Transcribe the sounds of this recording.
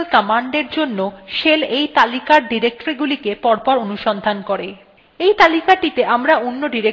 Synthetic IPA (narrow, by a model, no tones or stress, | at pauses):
lkɔmaɳɖeɾd͡ʑonːoʃelejt̪alikaɾɖiɾek̚ʈoɾiɡulikepɔɾpɔɾonuʃɔnd̪ʱankoɾe | ejt̪alikaʈit̪eʔamɾaonːoɖiɾe